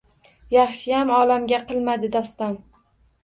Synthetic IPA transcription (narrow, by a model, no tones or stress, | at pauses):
jɑχʃɪjamɒlamɡʲaqʰɨlˠmad̪ɪd̪ɒst̪ɒn